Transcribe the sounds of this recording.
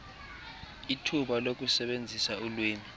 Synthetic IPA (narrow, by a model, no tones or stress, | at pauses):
itʰuɓalok̬ʼusɛɓend͡zʱisaulweːmi